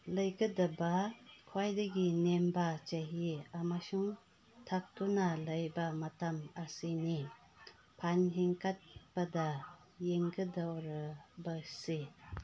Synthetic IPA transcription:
lɐjɡɐdɐbakʰwajdaɡinembat͡ʃaɦiamasuŋ | tʰak̚tunalɐjbamatamasini | pʰanɦeŋkat̚b̥ada | jeŋɡədawɾabase

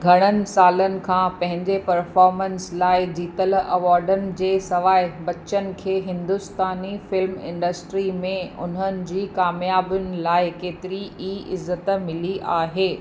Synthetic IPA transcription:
ɡʱɐɽ̃ənɪ̆saːlənɪ̆kʰãːpɐ̃ɦɪ̃ɲd͡ʑepɐɾfɔːɾmə̃nslaːɪd͡ʑiːt̪əlɐʋaːɾɖənɪ̆d͡ʑeːsɐʋaːɪbɐt͡ɕənɪ̆kʰeːɦɪ̃nd̪ʊst̪aːnifɪlmɪ̰̃ɳɖəsʈɾimẽʊ̰n̤ənɪ̆d͡ʑiːkaːmjaːbʊnɪ̆laːɪkeːt̪ɪɾiiːʔɪzːət̪mɪliʔaːɦeː

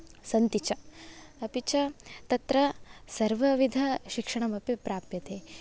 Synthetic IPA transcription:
sɐnt̪it͡ʃɐɐpit͡ʃɐt̪ɐt̪ɾɐsɐɾʋɐʋid̪ʱɐʃikʂɐɳ̃ɐmɐpipɾaːpjɐt̪eː

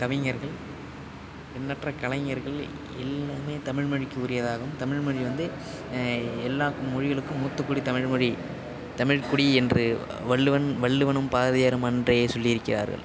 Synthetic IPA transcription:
kɐʋɪŋɐɾɣɐɭ | ɛnːɐʈrɐkɐɭɐŋɐɾɣɐɭ | ɛ̰lːaːmeːt̪ɐmɪɻmɐɻɪkːɯʊɾɪjɐðaːɣɐɯmt̪ɐmɪɻmɐɻiʋɐnd̪ɯ | ɛlːaːkːɯmːʊɻɪɣɐɭɯkːɯmːuːt̪ːɯkːʊɽit̪ɐmɪɻmɔɻi | t̪ɐmɪɻkʊɽiɛndrɯ | ʋɐɭːɯʋɐnʋɐɭːɯʋɐnɯmpaːðɐjaːɾɯmɐndrɐjeːsɔlːɪɪɾɯkːɪra̰ːɾɣɐ̰ɭ

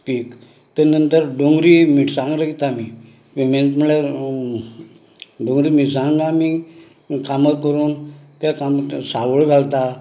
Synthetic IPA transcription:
pik | t̪ənənt̪əɾɖoŋɡɾimiʈsãŋɡɾəit̪ami | ment̪muɭe | ɖoŋɡɾiːmiʈsãŋɡami | kamət̚kəɾuːnt̪jakamsaʋəɭɡʱalt̪a

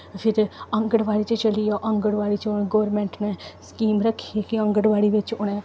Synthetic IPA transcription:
pʰɪɾəŋɡəɽʋaːɽiːt͡ʃt͡ʃəliːjoːʔəŋɡəɽʋaːɽiːt͡ʃʊɡoːɾmɛ̃ːɳʈnɛːskiːmɾəkʰːikiə̃ŋɡəɽʋaːɽiːʋɪt͡ʃʊɽ̃ɛ̃ː

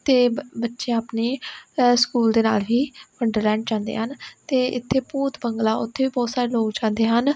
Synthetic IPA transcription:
t̪eːbətːʃeãəpneːskuːld̪eːna̰ːlbiːpʰəɳɖəɾlɛ̃ːɳɖd͡ʒãːnd̪ḛːɦənt̪eːɪt̪ʰːeːpuːt̪bəŋɡlaːʔʊt̪ʰːeːʋiːbɔːt̪saːɾeːloːɡd͡ʒãːnd̪eːɦən

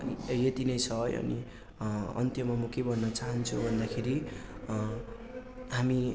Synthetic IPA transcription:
jet̪inʌjt͡sʰʌj̰ʌ̰ni | ʌ̰nt̪jʌmʌmʌkebʱʌnːʌt͡saɦʌnt͡sʰubʱʌnd̪akʰeɾi | ɦami

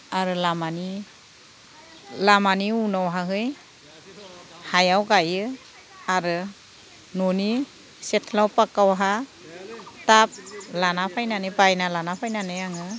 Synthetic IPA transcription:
aɾɯlamani | lamaniunawɦaɦɯj | hajawɡajɯ | aɾɯ | noni | setʰlawpakawɦa | tap̚lanapʰajnanɯbajnalanapʰajnanɯjaŋɯ

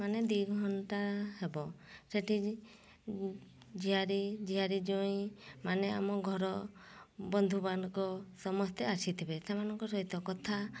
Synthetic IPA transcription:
maned̪ujɡʱɔɳʈaɦebɔseʈi | d͡ʒiɦaɾid͡ʒiɦaɾid͡ʒɔĩmanea̰mɔɡʱɔɾɔ | bɔnd̪ʱubanɔkɔsɔmɔst̪ʰeasit̪ʰibesemanɔŋkɔsɔɦit̪ɔkɔt̪ʰa

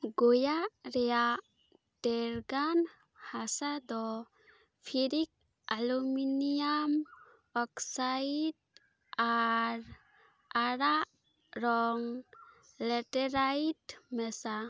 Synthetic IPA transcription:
ɡojaɾɛja | dɛɾɡan | hasad̪ɔ | pʰiɾik̚ | aluminijam | ɔksaid | aɾ | aɾa | ɾɔŋ | lɛʈɛɾajitmɛsa

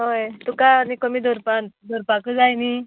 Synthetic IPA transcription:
ɦojt̪ukanikəmiːd̪ʱoɾpad̪ʱoɾpakəd͡zajni

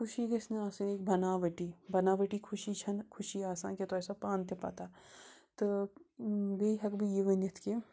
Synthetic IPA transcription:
kʰʊʃiɡɐsneaːsɐneːk̚bʱɐnaːʋɐʈibɐnaːʋɐʈikʰʊʃit͡ʃʰɐnkʰʊʃiaːsa̰ːnket̪oɛːsapaːnt̪epa̰t̪at̪ɨ | ɡeɦɐkbʱijiʋɐnɐt̪ʰke

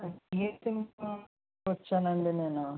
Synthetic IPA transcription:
et̪inpː | ɐt͡ʃːaːnɐɳɖineːnu

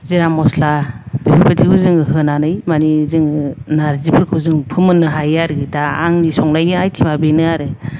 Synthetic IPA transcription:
ziɾamɔslab̥ebapʰɯtʰibɯzɯŋɯɦɯnanɯjmanizɯŋɯnaɾzibɯɾkʰɯbzɯŋpʰɯmɯnːɯɦajaɾɡitaa̰ŋnisɔŋlajniajtʰimabenɯaɾɯ

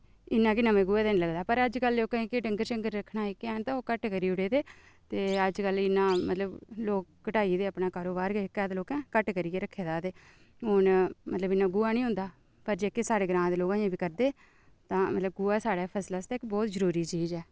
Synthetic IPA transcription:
ɪnːãːkinəmẽːɡʊɛːd̪eːnĩːləɡd̪aːpəɾəd͡ʒkəlːeoːkəɦĩːkɪɖəŋɡəɾʃəŋɡəɾːəkʰnaːiːkɛːnt̪ãːkəʈkəɾiːʊɽeːd̪eː | t̪eːəd͡ʒkəlɪnːãːmə̰t̪ləbloːkːəʈaːiːd̪eːəpnaːkaːɾoːbaːɾɡekːɛːd̪ːloːkɛ̃ːkəʈkəɾiːeːɾəkʰːeːd̪aːd̪eː | ɦʊnmət̪ləbɪnːãːɡʊaːnĩːʊ̃nd̪aː | pəɾd͡ʒeːkeːsaːɽeːɡɾãːd̪eːloːkãːjẽːbiːkəɾd̪eː | t̪ãːmət̪ləb̚ɡʊːaːsaːɽaːpʰəslaːst̪ɛːkbɔːt̪zəɾuːɾiːt͡ʃiːzɛː

